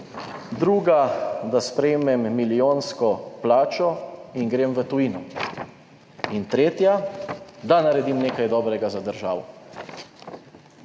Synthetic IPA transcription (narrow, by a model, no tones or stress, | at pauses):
d̪ɾuːɡad̪aspɾɛjmɛmːilioːnskɔplaːt͡ʃɔiŋɡɾeːmʋət̪uinɔ | int̪ɾeːt̪ja | d̪anaɾɛd̪imneːkajd̪ɔːbɾɛɡazad̪əɾʒa̰ːʋɔ̰